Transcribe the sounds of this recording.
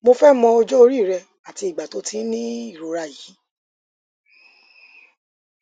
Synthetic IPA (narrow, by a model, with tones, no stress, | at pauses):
mo˧fɛ˦mɔ̃˧o˧d͡ʒɔ˦o˧ɾi˦˨ɾɛ˧ | a˨ti˧i˨ɡ͡ba˨to˨˦tĩ˦nĩ˦i˦˨ɾo˨˦ɾa˧ji˨˦